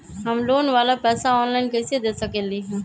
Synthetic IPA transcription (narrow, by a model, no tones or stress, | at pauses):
ɦəmloːnʋaːlapɛːsaɔːnlaːɪnkeːsied̪eːsəkeliɦɛ̃ː